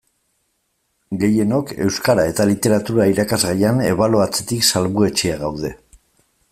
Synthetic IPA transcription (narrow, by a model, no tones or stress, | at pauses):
ɡe̞je̞no̞ke̞̰wskaɾae̞t̪alit̪e̞ɾat̪uɾaiɾakazɣajane̞̰βalo̞at͡se̞̥t̪iksalβue̞t͡ʃeaɣawðe̞